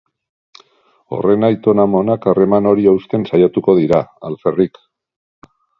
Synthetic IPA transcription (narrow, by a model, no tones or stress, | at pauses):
o̞̰re̞najt̪o̞namo̞nakare̞mano̞ɾiawst̪e̞nsajat̪uko̞ðiɾaa̰lferik